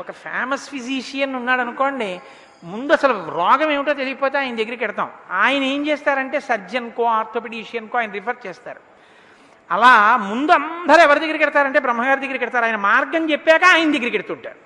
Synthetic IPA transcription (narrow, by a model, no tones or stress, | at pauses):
ɔkɐpʰa̰ːmɐspʰiziːʂijɐnunːaːɽɐnuko̞ːɳɖi | mund̪uɐsɐluɾɔːɡɐmeːmiʈoːt̪̬elijipoːt̪e̞aːjɐnɐd̪eɡːiɾikɛɽit̪a̰ːmaːjɐnɐeːmt͡ʃeːst̪aːɾɐɳʈe̞ːsɐɾd͡ʒɐnkoːaːɾt̪ʰoːpeʈiːʂijɐnkoːaːjɐnɐɾipʰɐɾt͡ʃɛːst̪a̰ːɾu | ɐlaːmund̪uɐnd̪ʱɐɾɛʋɐɾid̪ɐɡːiɾikɛɽt̪aːɾɐɳʈeːbɾɐmːɐɡaːɾid̪ɐɡːiɾkɛɽit̪aːɾuaːjɐnɐmaːɾɡɐmt͡ʃepːɛːkɐaːjɐnɐd̪eɡːiɾikeɽit̪uːɳʈa̰ːɾu